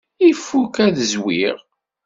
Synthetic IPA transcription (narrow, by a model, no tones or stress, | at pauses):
ifːukæðəzwiʁ